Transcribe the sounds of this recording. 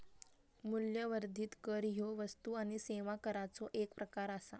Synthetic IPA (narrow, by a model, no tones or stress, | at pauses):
muljəʋəɾd̪ʱiːt̪kəɾɦjoʋəst̪uaɽ̃iseʋakəɾat͡sɔʔekpɾəkaɾasa̰